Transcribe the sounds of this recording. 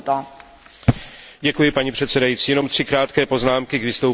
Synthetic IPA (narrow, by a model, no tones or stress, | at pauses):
t̪o | ɟɛkujɪpaɲipr̥ɛt̪sɛdajiːtt͡siːjɛno̞mt̪r̥ɪkɾaːt̪kɛːpo̞znaːmkɪɡvɪst̪ow